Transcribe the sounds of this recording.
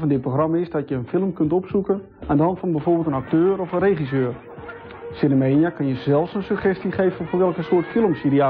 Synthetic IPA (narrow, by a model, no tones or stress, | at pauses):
fɔndɪtproxrɑmaɪsdɔtjəənfɪlˠəmkʏntɔpsukən | ʔandəɔntfɔnbɛjfoːrbɪːlˠtənak̚tøːɾɔfənreχisøːr | senəmeːnjakʏnjəzɛlˠfsənsyχɛstiχeːvənforʋɛlˠkənsoːtfɪlˠmsjəɾia